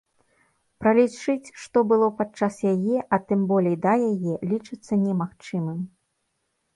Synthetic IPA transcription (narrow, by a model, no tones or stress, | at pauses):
pɾɐlʲit͡ʂɨt͡sʲʂt̪ɔbɨlˠɔpat͡ʂːasjajɛʔɐt̪ɨmbɔlʲejd̪ɐjajɛlʲit͡ʂɨt̪sːɐnʲɛmaxt͡ʂɨmɨm